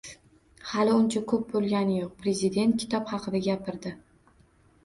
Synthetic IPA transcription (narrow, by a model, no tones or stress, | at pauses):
halɪʊnt͡ʃʰakʰɵp̚bolˠɡʲanɪjoq̚pɾe̞zɪd̪e̞nt̪̚kʲʰɪ̥t̪ʰɒpχɑqʰɨd̪aɡʲapɪɾd̪ɪ